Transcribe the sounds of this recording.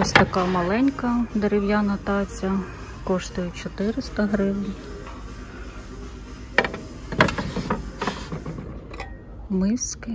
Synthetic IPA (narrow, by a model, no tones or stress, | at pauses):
ɔsʲt̪ɐkɑmɐlˠɛnʲkɐd̪eɾɪwjanɐt̪ɑt͡sʲːɐ | kɔʃt̪ʊjʊt͡ʃɔt̪ɪɾɪst̪ɐɦɾɪwnʲɐ | mɪskɪ